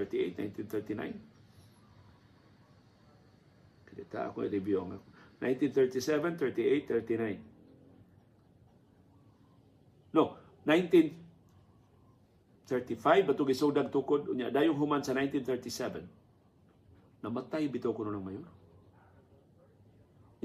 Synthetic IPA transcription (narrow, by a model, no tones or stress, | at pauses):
əɹt̪iʔḛt̪̚na̰jnt̪inθɛɹt̪ina̰jn | kad̪ɪt̪a̰ʔa̰koḭɾɪbjuaŋa̰kona̰jnt̪int̪θɛɹt̪isɛvɛnθɛɹt̪iʔejt̪θɛɹt̪inajn | o | najnt̪in | θɛɹt̪ifajvat̪ʊɡisoɡdaɡ̚t̪ukʊd̪̚ʊɲjaʔdajʊŋɦʊmansanajnt̪int̪ɛɹt̪isɛvɛ̰n | amat̪ajbit̪okʊnolaŋmajʊn